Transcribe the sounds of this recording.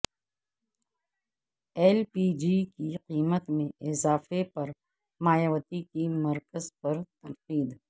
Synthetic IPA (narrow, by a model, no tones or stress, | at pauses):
ɛːlpiːd͡ʒikiqiːmət̪mẽʔɪzaːfepɐɾ | maːjəwət̪ikimɐɾkəzpɐɾt̪ɐnqiːd̪